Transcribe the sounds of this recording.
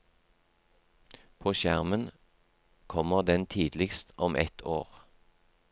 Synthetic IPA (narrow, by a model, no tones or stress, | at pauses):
pʰoːʃjæʁmən | kʰɔməʁd̪ɛnt̪ʰiːd̪lɪkst̪ɔmʔɛt̪ʰoːʁ